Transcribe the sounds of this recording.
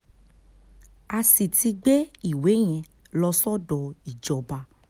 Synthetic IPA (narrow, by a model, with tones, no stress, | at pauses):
a˧si˨ti˧ɡ͡be˦i˨we˨˦ɲ̃ɛ̃˧ | lɔ˧sɔ˦dɔ˨i˨d͡ʒɔ˨ba˧